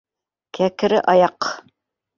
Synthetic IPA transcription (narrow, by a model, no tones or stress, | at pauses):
kʰækɘ̆ɾɘʔɑjɑq